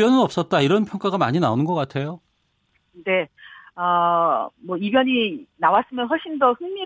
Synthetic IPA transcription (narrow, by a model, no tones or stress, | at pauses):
jʌnɯnʌp̚s͈ʌt̚t͈aiɾʌnpʰjʌŋk͈aɡamaɲinaonɯnɡʌk͈atʰe̞jo | ne̞ʌ | mwʌibjʌɲinawas͈ɯmjʌnɸwʌɭɕ͈indʌɸɯŋmi